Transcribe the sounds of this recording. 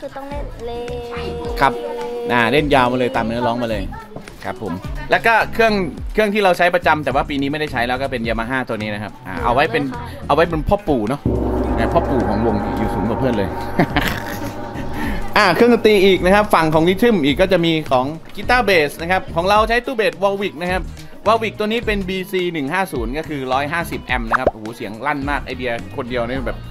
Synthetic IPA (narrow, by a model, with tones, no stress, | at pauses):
kʰːt̪ɔ˥ŋ˥˩ | kʰa˦˥p̚ʔaː˧˩le˥˩njaː˧wmaː˧lɤː˧jt̪aː˨˩mnɯ˦˥ɐlɔː˦˥ŋmaː˧lɤː˧j | kʰa˦˥pʰːo̰˩˦mlɛː˦˥wkɔː˥˩kʰɯ˥˩əŋkʰɯ˥˩əŋt̪ʰiː˥˩ɾa˧wt͡ɕʰa˦˥jpɾa˧t͡ɕa˧mt̪ɛː˨˩waː˥˩piː˧niː˦˥ma˥˩jda˥˩t͡ɕʰjlɛː˦˥wkɔː˥˩pe˧njwmaː˧ɦaː˥˩t̪u˧niː˦˥na˦˥kʰa˦˥p̚ʔa̰ː˨˧˩ʔa̰˧wa˦˥jpe˧n | ʔa˧wːa˦˥jpe˧npʰɔː˥˩pːuː˨˩nɔ˦˥ʔaː˧˩pʰɔː˥˩pːuː˨˩kʰɔː˩˦ŋwo˧ŋḭ˧˩juː˨˩suː˩˦nkɔː˨˧˩pʰɯː˥˩˨nlɤː˧j | ʔaː˧˩kʰɯ˥˩əŋ˧˩t̪iː˧ʔiː˨˩k̚na˦˥kʰa˦˥p̚fa˨˩ŋkʰɔː˩˦ŋliː˦˥t̪ʰɯ˥˩mʔiː˨˩kːɔ˥˩t͡ɕa˨˩ʔmiː˧kʰɔː˩˦ŋkiː˦˥t̪aː˥˩beː˨˩sna˦˥kʰa˦˥p̚kʰɔː˩˦ŋɾa˧wt͡ɕʰa˦˥jt̪uː˥˩beː˨˩t̪̚wɔː˧wi˨˩k̚na˦˥kʰa˦˥p̚ | waː˧wi˨˩k̚t̪əniː˦˥pe˧nbiː˧siː˧nɯ˨˩ŋɦaː˥˩suː˩˦nkɔ˥˩kʰɯː˧ɾɔː˦˥jɦaː˥˩si˨˩p̚ʔɛ˧mna˦˥kʰa˦˥p̚ʔa˨˧˩uː˩˦si˨˩˦əŋla˥˩nmaː˥˩k̚ʔa˧jdi˧ɐkʰo˧ndi˧əwna˦˥jbɛː˨˩p̚